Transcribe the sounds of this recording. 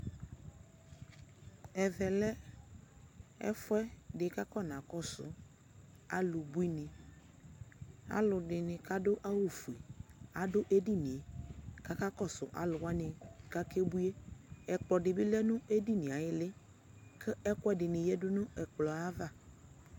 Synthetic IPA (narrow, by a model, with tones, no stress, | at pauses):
ɛ˨vɛ˨lɛ˦ | ɛ̰˦fʊ˦ɛ˦ɖɪ˨ka˦kɔ˦nã˨kɔ˦sʊ̰˨ | a˦lʊ˨bu˦i˦nɪ̃˨ | a̰˦lʊ˨dɪ˨nɪ̃˨ka˦dʊ˦ʔa˦wu˨fu˨e˨a˨dʊ˦ʔe˦di˦nĩ˨e˨ka˦ka˦kɔ˦sʊ̰˨ʔa̰˦lʊ˨wa˦nɪ̃˨ka˦ke˦bu˦e˦ɛ˨k͡pɔ˨ɖɪ˨bɪ˦lɛ˦nʊ̃˦e˦di˦nĩ˨a˨jɪ˦lɪ˦ | kɪ˦ɛ˦kwɛ˦dɪ˨nɪ̃˨jɛ˦dʊ˦nʊ̃˦ɛ˨k͡plɔ˨a˦va˦˨